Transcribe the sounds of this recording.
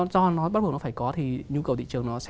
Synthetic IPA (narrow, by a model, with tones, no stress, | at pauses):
zɔ˧nɔ˨˦ɓa˦˥ɓ̚nɔ˨˦faː˧˩kɔ˨˦t̪ʰi˨˩ɲu˧kə˨˩wt̪ḭ˧˨t͡ɕɨ˨˩əŋnɔ˨˦sɛ̰˧